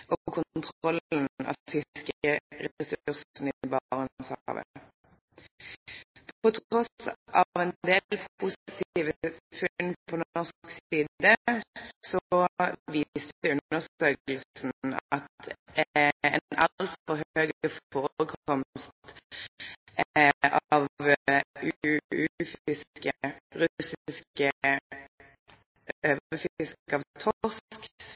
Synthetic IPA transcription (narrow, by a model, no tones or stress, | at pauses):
ʔɔkʰʊnt̪ʰʁɔln̩ɑ̰fɪskəʁɛsʉʁsn̩ɪbɑʁənsɑʋə̰ | pʰɔt̪ʰʁɔsɑʋɛnd̪eːlpʰuːsɪt̪ʰiːʋəfʉnpʰɔd̪nɔʁsksiːd̪əssɔʋiːsd̪ɛʉnəʁsøːkln̩ɑ̰t̪ | ɛ̰nɑ̰llt̪fɔʁɦøːɡəfoːʁʁəkʰɔmst̪ | ʔɑʋ | ʉʉfɪskəʁʉsɪɪskə | ʔøːʋəfɪskɑʋt̪ʰɔsk